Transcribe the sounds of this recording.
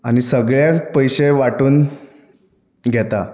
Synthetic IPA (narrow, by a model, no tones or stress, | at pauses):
añisəɡɭjapəjɕeʋaʈuːn | ɡʱɛt̪a